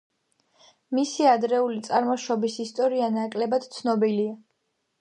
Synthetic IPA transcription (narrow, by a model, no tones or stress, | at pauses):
misiad̪ɾɛulit̪sʼaɾmɔʃɔbisist̪ʼɔɾianakʼlɛbad̪̥t̪sʰnɔbilia